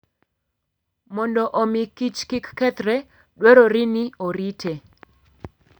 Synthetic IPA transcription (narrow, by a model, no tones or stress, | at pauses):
mɔndɔʔomikit͡ʃkɪkːɛt̪ɾɛ | dweɾoɾinɪoɾite